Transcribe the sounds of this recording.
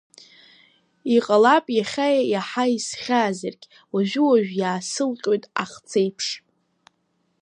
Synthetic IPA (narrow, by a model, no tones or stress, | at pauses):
iqʼalapʼjaχʲajajaħaisχʲaːzɨrɡʲʼ | waʒᶣʊwaʒᶣjaːsɨlqʲʼo̞jtʼa̰χt͡sʰejpʰʂ